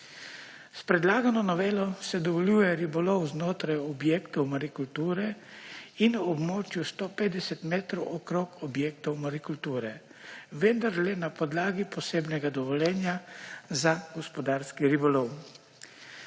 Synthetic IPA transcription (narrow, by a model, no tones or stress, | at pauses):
spɾɛd̪laːɡanɔnɔʋeːlɔsɛd̪ɔʋɔljuːjɛɾibɔlɔwznoːt̪ɾajɔbjeːkt̪ɔwmaɾikult̪uːɾɛ | inuɔbmoːt͡ʃjust̪opeːd̪ɛsɛt̪meːt̪ɾɔwʔɔkɾokɔbjeːk̚t̪ɔwmaɾikult̪uːɾɛ | ʋɛnd̪aɾlɛnapɔd̪laːɡipɔseːbnɛɡad̪ɔʋɔljɛːnjazaɡɔspɔd̪aːɾskiɾibɔlɔw